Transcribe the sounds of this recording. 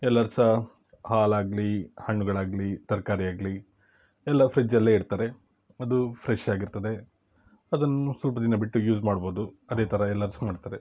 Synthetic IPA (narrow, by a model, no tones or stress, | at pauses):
ɛlːɐɾsɐ | haːlaːɡlihɐɳːuɡɐɭaːɡlit̪ɐɾkaːɾijaːɡli | ɛlːɐfʰɾid͡ʒɐlːeːiɽt̪aːɾe̞ | ɐd̪ufʰɾeʃaːɡiɾt̪ɐd̪e̞ | ɐd̪ɐnːuswɐlpɐd̪inːɐbiʈːujuːd͡ʒmaːɽboːd̪uɐd̪eːt̪ʰɐɾɐɛlːɐɾsɐmaːɖt̪aːɾe̞